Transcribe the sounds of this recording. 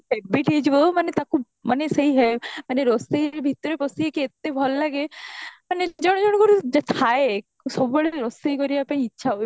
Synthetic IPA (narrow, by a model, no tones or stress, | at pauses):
pebiʈid͡ʒbomɐnet̪aku | mɐnesɐɦiɦɛmɐneɾɔst̪eibʱit̪ːɾepɔsiekiet̪ːebʱɔllaɡeməned͡ʒɔɽ̃d͡ʒɔɽ̃kɔɾud͡ʒt̪ʰae | sɔbbɔɭeɾɔst̪eikɔɾieapãĩitːʃʰaɦo